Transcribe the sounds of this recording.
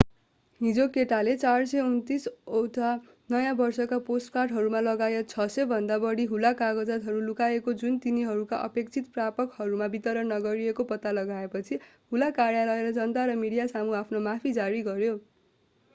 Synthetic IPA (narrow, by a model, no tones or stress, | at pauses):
ɦid͡zokeʈalet͡sarsʌjunt̪isowtʰa | nʌjãbʌrsʌkaposʈkarʈɦʌɾumalʌɡajet̪̚t͡sʰʌsʌbʱʌnd̪abʌɽiɦulakaɡʌd͡zʌt̪ɦʌɾulukaekod͡zunt̪iniɦʌɾukaʔʌ̰pekt͡sʰit̪prapʌkhʌɾumabit̪ʌɾʌnːʌɡʌɾiekopʌt̪ːalʌɡaepʌt͡sʰiɦulakaɾjalʌeɾʌd͡zʌnt̪aɾʌmiɽijasamuapʰnomapʰid͡zaɾiɡʌɾjo